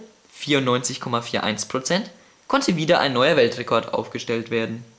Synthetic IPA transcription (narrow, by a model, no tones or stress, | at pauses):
fiːɐʊntnɔʏnt͡sɪçkʰɔmafiːɐʔa̰ɪnspʁ̥ot͡sɛnt | kʰɔntʰəviːdɐʔa̰ɪnːɔʏɐvɛltʁ̥ɛkʰɔɐtʔa̰ʊfɡ̥əʃtɛltv̥eːɐdn̩